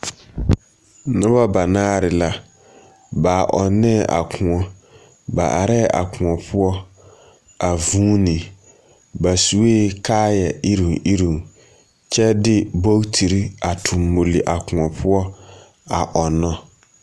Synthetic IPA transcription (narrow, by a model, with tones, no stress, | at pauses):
nʊ̃˦ba˦ba˨naː˦ɾɪ˨la˦ | ba˨ʔɔ˨nɛ̃˦˨ʔa̰˨kʰʊ̃˨ɔ̃˦ | ba̰˨ʔa̰˨ɾɛ˦ʔa̰˨kʰʊ̃˨ɔ˨pʰʊ˦ɔ˦ | a˨vũː˦nĩ˨ | ba˨su˨˦eː˦kʰaː˦jɛ˨ʔi˦ɾĩ˨i˦ɾĩ˨ŋ | t͡ɕʰɛ˦dɪ˦bo˦tʰi˨ɾi˦a˨tʰʊ̃˨mːo˨li˨ʔa˨kʊ̃˨ɔ˨pʰʊ˦ɔ˦ | a˨ʔɔ˨nɔ̃˦